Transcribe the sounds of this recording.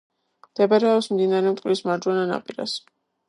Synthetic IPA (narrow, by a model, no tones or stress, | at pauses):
md̪̥ɛbaɾɛɔpsmd̪inaɾɛmt̪ʼqʼlismaɾd͡ʒwɛnana̰pʼiɾa̰s